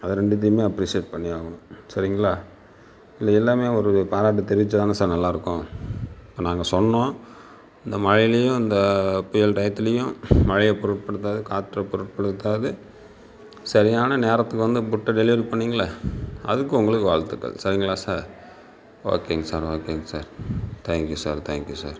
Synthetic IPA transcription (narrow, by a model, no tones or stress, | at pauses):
ɐðɯɾɛɳɖɯt̪̬ːɪjmeːɐpːɾiːsɪeʈ̚pɐɳːɪjaːɣɐɳʊ̃sɐɾɪŋɡɐɭaː | ɪlːɐɛlːaːmeːɔɾɯpaːɾaːʈ̬ːɯt̪ɛɾɪɪt͡ʃːɐt̪aːnɯsaːɾnɐlːaːɪɾɯkːõɪpːoːnãːŋɡɐsɔnːõː | ɪnd̪ɐmɐɻɪjlɐjʊ̃ɪnd̪ɐpʊjɐlʈɐjt̪ːɪlɐjʊ̃mɐɻɪjɐpɔɾɯʈ̚pɐɽɯt̪ːaːðɯkaːt̪ːɾɐpɔɾɯʈ̚pɐɽɯt̪ːaːðɯ | sɐɾɪjaːnɐneːɾɐt̪ːɯkːɯʋɐnd̪ɯpʊʈːɐɖɛlɪʋɐɾpɐɳːiːŋɡɐɭːɐɐðɯkːɯ̃ʊŋɡɐɭɯkːɯʋaːɭt̪ːɯkːɐ̰sɐɾɪŋɡɐɭaːsaːɾ | o̰ːkːeːŋɡɐsaːɾoːkːeŋɡɐsaːɾt̪ʰaːŋkjusaːɾt̪ʰaːŋkjusa̰ːɾ